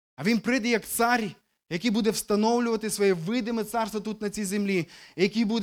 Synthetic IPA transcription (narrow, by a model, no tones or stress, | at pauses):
ɐʋʲinpɾɛd̪ɐjɐkt̪saɾʲi | jɐkʲibud̪ɛwst̪ɐnɔwlʲɪvɐt̪ɪsʋɐjɛvɪd̪ɪmɪt̪sarst̪vɐt̪ut̪nɐt͡sʲizemlʲijɐkʲibud̪